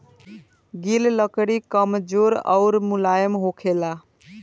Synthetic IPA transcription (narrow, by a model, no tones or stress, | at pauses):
ɡilləkɽikəmd͡ʒoɾə̰ʊɾmulajəmɦokʰela